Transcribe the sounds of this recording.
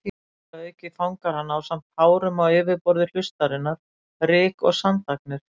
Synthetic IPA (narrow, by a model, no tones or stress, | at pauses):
i | aœːɥcɪθawŋkaɾanːaːwsamt̪haːwɾʏmaweːvɪɾpɔɾðɪl̥ʏst̪aɾɪnːaɾ̥ | rɪːkɔɣsant̪aknɪɾ̥